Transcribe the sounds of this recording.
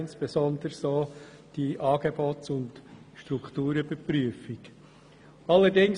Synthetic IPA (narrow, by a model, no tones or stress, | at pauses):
ɪnsb̥ezɔnd̪əɾsoː | d̥iːʔɑːɡebotʊnd | ʃtɾuktuːɾəb̥əpɾyəfɪk | ɑlːədɪŋ